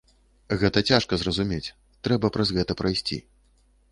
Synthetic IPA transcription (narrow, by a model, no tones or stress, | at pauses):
ɣɛt̪ɐt͡sʲaʂkɐzrɐzumʲet͡sʲ | t̪ɾɛbɐpɾɐzɣɛt̪ɐpɾɐjsʲt͡sʲḭ